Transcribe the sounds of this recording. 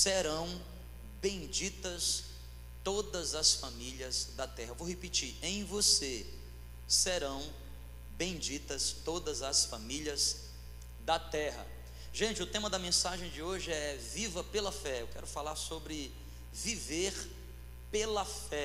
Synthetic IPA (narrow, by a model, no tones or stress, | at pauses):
seɾɐ̃w̃ | bẽj̃d͡ʒit̪ɐs | t̪od̪ɐzɐsfamiljɐzd̪ɐt̪ɛhɐvowɦepit͡ʃiẽj̃vose | seɾɐ̃w̃ | bẽj̃d͡ʒit̪ɐst̪od̪ɐzɐsfamiliɐz | d̪ɐt̪ɛɦɐ̰ | ʒẽt͡ʃɪʊt̪ẽmɐd̪ɐmẽsaʒẽj̃d͡ʒɪoʒɪɛvivɐpelɐfɛewkɛ̰ɾʊfalaɾsobɾɪ | viveɾ | pelɐfɛ